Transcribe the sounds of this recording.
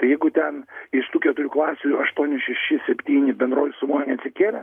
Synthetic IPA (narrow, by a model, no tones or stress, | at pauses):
t̪ɐɪjɛɪɡʊt̪ʲɛnɪʃt̪uːkʲɛt̪ʊɾʲuːklˠɑːsʲuɐʃt̪uɔnʲɪʃʲɛʃʲɪsʲɛpʲt̪ʲiːnʲɪbʲɛnd̪ɾoːjʊsʊmoːjʲʊnʲɛɐt̪ʲsʲɪkʲeːlʲɛ